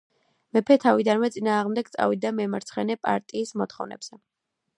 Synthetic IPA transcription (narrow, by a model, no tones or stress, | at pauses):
mɛpʰɛt̪ʰavid̪anmɛt̪sʼinaːʁmd̪ɛɡ̚t̪sʼa̰vid̪amɛmaɾt̪sʰχɛnɛpʼa̰ɾt̪ʼiːsmɔt̪χɔvnɛ̰bz̥ɛ